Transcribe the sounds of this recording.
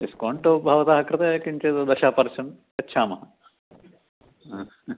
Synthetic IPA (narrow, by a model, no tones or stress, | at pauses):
iskoːɳʈoːbʱɐːʋɐt̪aːɦɐkɾɐt̪ɐkiɲt͡ʃet̪od̪ɐʃaːpɐɾʃɐn | ɐtːʃʰaːmɐɦɐ